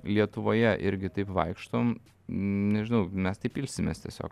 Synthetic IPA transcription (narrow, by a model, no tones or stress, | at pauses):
lʲiɛt̪ʊʋoːjɛʔɪɾʲɡʲɪt̪ɐɪpʋɐɪkʃt̪oːm | nʲɛʒʲɪnɐʊmʲɛst̪ɐɪpʲɪlʲsʲɪmʲḛːst̪ʲiɛsʲo̰ːk